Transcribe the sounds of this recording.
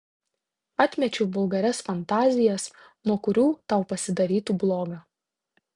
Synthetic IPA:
ɑt̪ʲmʲɛt͡ʃʲɛbʊlˠɡɐɾʲɛsfɐnt̪ɑːzʲɪjɛs | nuɔkʊɾʲuːt̪ɐʊpɐsʲɪd̪ɐɾʲiːt̪uːblˠoːɡɑː

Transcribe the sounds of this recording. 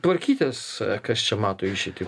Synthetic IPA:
t̪ʋɐɾʲkʲiːt̪ʲɛskɐst͡ʃʲɛmɑːt̪oːɪʃʲit̪ʲi

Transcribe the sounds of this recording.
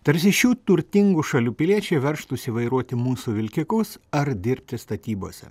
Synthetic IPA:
t̪ɐɾʲsʲɪʃʲuːt̪ʊɾʲt̪ʲɪŋɡuʃɐlʲuːpʲɪlʲiɛt͡ʃʲɛɪʋʲɛɾʃt̪ʊsʲiʋɐɪɾuɔt̪ʲɪmuːsuʋʲɪlʲkʲɪkʊsɐɾd̪ʲɪɾʲp̚ʲt̪ʲɪst̪ɐt̪ʲiːbo̰ːsʲɛ̰

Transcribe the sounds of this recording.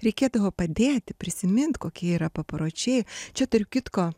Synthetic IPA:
ɾʲɛɪkʲeːd̪ɐʋoːpɐd̪ʲeːt̪ʲɪpʲɾʲɪsʲɪmʲɪnt̪koːkʲiɛiːɾɐpɐpɾoːt͡ʃʲɛɪt͡ʃʲɛt̪ʊɾʲʊkʲɪt̪koː

